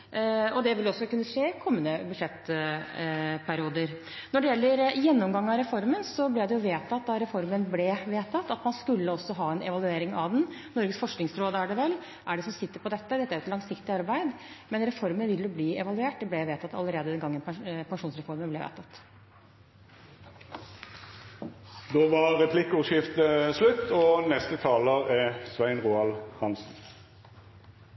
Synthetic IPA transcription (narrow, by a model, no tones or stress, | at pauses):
ɔd̪ɛʋɪlɔsːɔkʉnːəʂeːkʰɔmːənəbʉd̪ʂɛt̪ː | pʰæɾɪuːd̪əɾ | nɔɖɛjɛlːəɾjɛnːɔmɡɑŋːɑɾɛfɔɾmənsɔblɛd̪ɛjʊʋeːt̪ʰɑt̪ːd̪ɑɾɛfɔɾmənblɛʋeːt̪ʰɑt̪ːɑt̪mɑnskʉlːəɔsːɔɦɑːɛnʔɛ̰ʋɑlʉeːɾɪŋɑʋd̪ɛnnɔɾɡəsfɔʂknɪŋsɾoːd̪əæɖɛʋɛlː | ʔæɖɛsɔmsɪt̪ːəɾpɔd̪ɛt̪ːəd̪ɛt̪ːæɾʊɛt̪lɑŋsɪkt̪ɪɑɾbæɪd̪mɛnɾɛfɔɾmənʋɪlːjʊbliːɛʋɑlʉeːʈ̚d̪ɛblɛʋeːt̪ʰɑt̪ːɑləɾeːd̪əd̪ɛnɡɑŋːənpɑpʰɑŋʂuːnsɾɛfɔɾmənblɛʋḛːt̪ʰɑt̪ː | d̪oːʋɑʁʁɛpʰlɪkəuːʃɪft̪əslʉt̪ːɔnɛst̪ət̪ʰɑːləʁɛsʋæɪnʁuːɑlhɑnsn̩